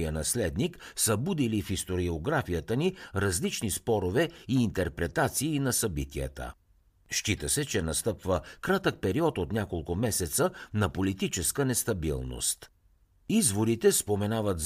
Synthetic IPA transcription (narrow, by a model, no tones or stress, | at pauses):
iənɐslɛd̪niksɐbud̪ilifist̪oɾioɡɾafijət̪əniɾɐzlit͡ʃnispɔɾovɛiːnt̪ɛɾpɾɛt̪at̪siːnɐsɐbḭt̪ijə̰t̪ə̰ | ʃt͡ʃit̪əsɛt͡ʃɛnɐst̪ɤpvəkɾat̪ək̚pɛɾiɔt̪ot̪nʲakolˠkʊmɛsɛt̪sənɐpolit̪it͡ʃɛskənɛst̪ɐbḭlˠno̰st̪ | izvoɾit̪ɛspomɛnavət̪z